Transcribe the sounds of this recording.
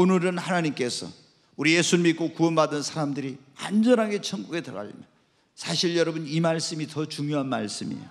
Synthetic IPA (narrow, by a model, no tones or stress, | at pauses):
onɯɾɯnhanaɲimk͈e̞sʰʌ̰ | uɾije̞sʰumit̚k͈okuʌnbadɯnsʰaɾamdɯɾi | a̰nd͡ʑʌnɦaɡe̞t͡ɕʰʌŋɡuɡetɯ̰ɡa̰ʎḭme | sʰaɕʰiɭjʌɾʌbunimaɭs͈ɯmitʌt͡ɕuŋjoɦanma̰ɭs͈ɯmḭo